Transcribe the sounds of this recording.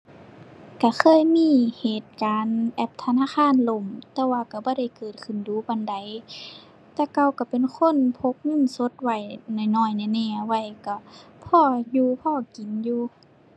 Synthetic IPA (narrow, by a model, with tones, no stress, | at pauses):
ka˧˩xʰɤː˧˥˨jmiː˧˥˨heː˨˩t̪̚kaː˨˦nʔɛ˧p̚t̪ʰa˧naː˧˥˨xʰaː˧˥˨nlo˧˩˨mt̪ɛː˧waː˧ka˧˩bɔː˧˦ɾa˧˩˨jkɤː˨˩t̪̚kʰɯ˧˩˨nduː˨˦bɔ˧˨nda˨˦j | t̪ɛː˧˩ka˧˨wka˧˩pe˨nkʰo˧˥˨npʰo˧˦k̚ŋɯ˧˥˨nso˧˦t̪̚wa˨˩jnɔː˧˩˨jnɔː˧˩˨jna˧˩˨nɛː˧˩a˧wa˧˩˨jka˧˩ | pʰɔː˧˩˨juː˧pʰɔː˧˨ki˨˦njuː˧